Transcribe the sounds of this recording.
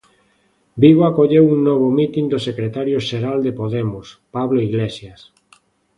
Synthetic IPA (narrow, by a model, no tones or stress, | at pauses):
biβoakoʎewuŋnɔβ̞omit̪ind̪osekɾet̪aɾjoʃeɾald̪epoðemʊspaβloiɣlesjas